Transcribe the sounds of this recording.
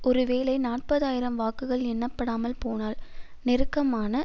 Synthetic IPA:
ʔɔɾɯʋeːlɐɪnaːʈ̚pɐðaːjɪɾɐmʋaːkɯɣɐɭɛnːɐpːɐɽaːmɐlpoːnaːl | nɪɾɯkːɐmaːnɐ

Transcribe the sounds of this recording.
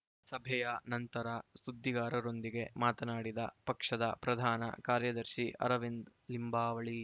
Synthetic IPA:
sɐbʱɛjɐnɐnt̪ɐɾɐsud̪ːiɡaːɾɐɾo̞nd̪iɡe̞maːt̪ɐnaːɽid̪ɐpɐkʂɐd̪ɐpɾɐd̪ʱaːnɐ̰kaːɾjɐd̪ɐɾʃiʔɐ̰ɾɐʋind̪limbaːʋɐɭi

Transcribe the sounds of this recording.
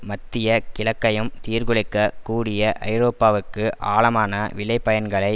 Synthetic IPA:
mɐt̪ːɪjɐkɪlɐkːɐjɯmt̪iːɾɣɯɭɪkːɐkuːɽɪjɐʔɐ̰ɪɾoːpːaːʋɯkːɯʔaːɭɐmaːnɐʋɪɭɐɪpːɐjɐnɡɐɭɐɪ

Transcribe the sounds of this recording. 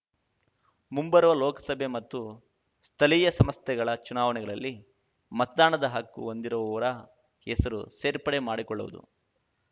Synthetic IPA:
mumbɐɾuʋɐlɔːkɐ̥sɐbʱemɐt̪ːu | st̪ʰɐlijɐsɐmɐst̪ɛɡɐɭɐt͡ʃunaːʋɐnɛɡɐɭɐlːi | mɐt̪ɐd̪aːɳɐd̪ɐɦɐkːṵond̪iɾɐʋɐʋɐɾɐ | ɛsɐɾuseːɾpɐɽemaːɽikɔɭːṵʋṵd̪ṵ

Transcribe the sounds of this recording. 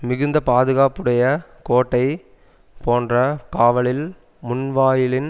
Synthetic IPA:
mɪɣɯnd̪ɐpaːðɯɣaːpɯɽɐjɐkoːʈːɐɪ | poːndrɐkaːʋɐɭɪl | mʊnʋaːjɪlɪn

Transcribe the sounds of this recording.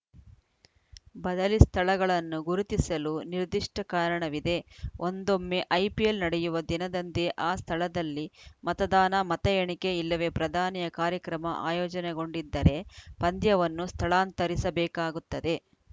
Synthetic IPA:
bɐd̪ɐlist̪ʰɐɭɐɡɐɭɐnːuɡuɾut̪isɐluniɾd̪iʂʈɐkaːɾɐɳɐʋid̪e̞ʔond̪omːeʔɐjpijelnɐɽejuʋɐd̪inɐd̪ɐnt̪eʔaːst̪ʰɐɭɐd̪ɐlːimɐt̪ɐd̪aːnɐmɐt̪ɐjeɳike̞ilːɐʋe̞ːpɾɐd̪ʱaːnijɐkaːɾjɐkɾɐmɐʔa̰ːjɔːd͡ʒɐneɡo̞ɳɖid̪ːɐɾe̞pɐnd̪jɐʋɐnːust̪ʰɐɭaːnt̪ɐɾisɐbɛːkaːɡut̪ːɐd̪e̞

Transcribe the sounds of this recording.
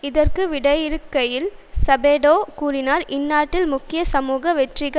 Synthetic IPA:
ɪðɐrkɯʋɪɽɐjɪɾɯkːɐjɪlsɐbeːɽoːkuːrɪnaːɾʔɪnːaːʈːɪlmʊkːɪjɐsɐmuːɣɐʋɛʈrɪɣɐ

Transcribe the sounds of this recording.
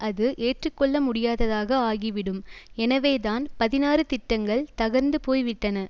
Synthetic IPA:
ʔɐðɯʔeːʈrɯkːɔɭːɐmʊɽɪjaːðɐðaːɣɐaːɣiʋɪɽɯmɛnɐʋeːðaːnpɐðɪnaːɾɯt̪ɪʈːɐŋɡɐɭt̪ɐɣɐɾnd̪ɯpoːjʋɪʈːɐnɐ

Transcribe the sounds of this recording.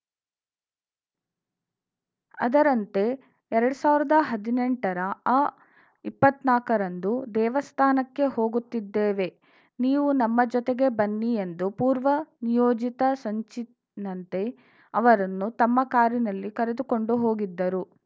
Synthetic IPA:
ɐ̰d̪ɐɾɐnt̪e̞ | ɛɾɐɽusaːʋiɾid̪ɐɦɐd̪ineɳʈɐɾɐː | ipːɐt̪naːkɐɾɐnd̪ud̪ɛːʋɐst̪ʰaːnɐkːe̞ho̞ːɡut̪ːid̪ːeːʋe̞ | niːʋunɐmːɐd͡ʒɔt̪eɡe̞bɐnːije̞nd̪upuːɾʋɐnijoːd͡ʒit̪ɐsɐɲt͡ʃi | nɐnt̪e̞ | ɐʋɐɾɐnːut̪ɐmːɐkaːɾinɐlːikɐɾed̪uko̞ɳɖuɦo̞ːɡid̪ːɐɾu

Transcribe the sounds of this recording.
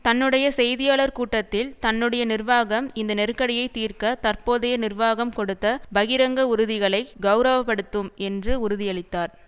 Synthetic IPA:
t̪ɐnːɯɽɐjɐsɛjðɪjaːɭɐɾkuːʈːɐt̪ːɪlt̪ɐnːɯɽɐjɐnɪrʋaːɣɐmɪnd̪ɐnɛɾɯkːɐɽɪjɐɪt̪ːiːrkɐt̪ɐrpoːðɐjɐnɪrʋaːɣɐmkɔɽɯt̪ːɐbɐɣɪɾɐŋɡɐʊɾɯðɪɣɐɭɐɪɡɐʊɾɐʋɐpːɐɽɯt̪ːɯmɛndrɯʊɾʊðɪjɐɭɪt̪ːaːɾ

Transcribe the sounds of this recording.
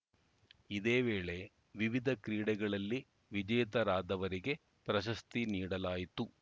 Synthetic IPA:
id̪eːʋeːɭe̞ | ʋiʋid̪ʱɐkɾiːɽɛɡɐɭɐlːi | ʋid͡ʒɐjt̪ɐɾaːd̪ɐʋɐɾiɡe̞ | pɾɐʃ̬ɐst̪iniːɽɐlaːjit̪u

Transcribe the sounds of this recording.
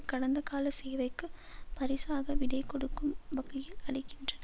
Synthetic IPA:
kɐɽɐnd̪ɐkaːlɐsɛjʋɐɪkːɯpɐɾɪsaːɣɐʋɪɽɐɪkːɔɽɯkːɯmʋɐkːɪjɪlɐɭɪkːɪndrɐnɐ

